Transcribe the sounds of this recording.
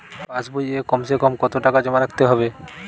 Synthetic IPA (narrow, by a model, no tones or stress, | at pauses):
pãt͡ɕbojekɔmsekɔmkɔt̪oʈakad͡ʑɔmaɾakʰt̪eɦɔbe